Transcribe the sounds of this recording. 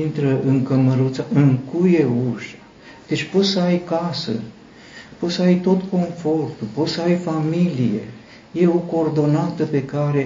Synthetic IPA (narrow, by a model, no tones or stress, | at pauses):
int̪ɾəʔɨŋkəməɾut̪saɨŋkuje̞uʃḁ | d̪̥e̞t͡ʃʲpo̞t̪səajkasə̰ | po̞t̪səajt̪o̞t̪ko̞nfo̞rt̪upo̞t̪səajfamilijḛ | je̞o̞koːrd̪o̞nat̪əpe̞kaɾe